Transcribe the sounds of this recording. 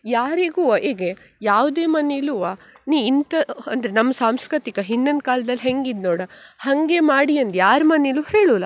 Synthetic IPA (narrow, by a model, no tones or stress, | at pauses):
jaːɾiɡuːʔeːɡe | jaːʋd̪eːmɐneiluʋa | niːint̪ɐɐnd̪ɐɾenɐmːɐsaːmskɾit̪ikɐɦinːɐnd̪̚kaːld̪ɐlɦeŋɡid̪noːɽɐhɐŋɡemaːɽiɐnd̪jaːɾmɐniluːheːɭuːlɐ